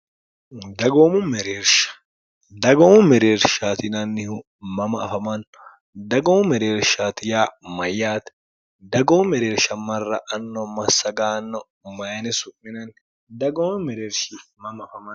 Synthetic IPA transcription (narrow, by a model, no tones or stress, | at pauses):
d̪ɐɡoːmʊmɛɾeːɾʃɐ̥ | d̪ɐɡoːmʊmɛɾeːɾʃat̪ɪnɐnːɪhʊ | mɐmɐːfɐmɐn | d̪ɐɡomʊmɛɾeːɾʃat̪ɪjaːmɐjːaːt̪ | d̪ɐɡɔmʊmɛɾeːɾʃɐmɐrːɐʔɐnːɔmɐsːɐɡaːnːɔ | mɐjɐnɪsʊɪnɐn | d̪ɐɡoːmʊmɛɾeːɾʃɪmɐmɐfɐmɐn